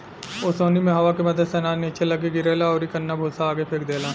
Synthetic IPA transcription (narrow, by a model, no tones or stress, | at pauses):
osoːnimẽɦɐʋakemɐd̪ʱəd̪sɛnaːnit͡ʃelɐɡeɡɪɾeːlaɔːɾikɐnːabʱoːsaːɡepʰeːkd̪eːlaː